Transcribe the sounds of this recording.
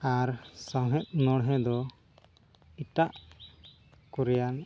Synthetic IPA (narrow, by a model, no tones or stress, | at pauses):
aɾsɔɦɛt̪̚ˀnɔɽɦɛ̃d̪ɔ | it̪aʔ | kuɾɛjan